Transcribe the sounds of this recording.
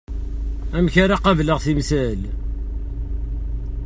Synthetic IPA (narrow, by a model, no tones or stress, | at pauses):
æmçaɾaqɑvləʁθimsæl